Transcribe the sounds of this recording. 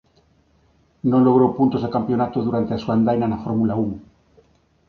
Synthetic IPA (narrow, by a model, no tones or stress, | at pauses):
nolo̞ɣɾopunt̪o̞zðekampjo̞nat̪oðuɾant̪easuand̪ajnanafoɾmulauŋ